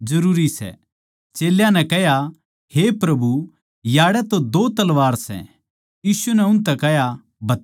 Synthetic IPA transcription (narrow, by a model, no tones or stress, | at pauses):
d͡ʒɐɾuːɾisɛ̰ | t͡ʃeːljãnɛkɛɦja | hepɾɐbu | jaːɽɛt̪od̪oːt̪ɐlʋaːɾsɛ̰̃ | jiːsunɛʊ̃nt̪ɛkɛɦja | bʱɐt̪ː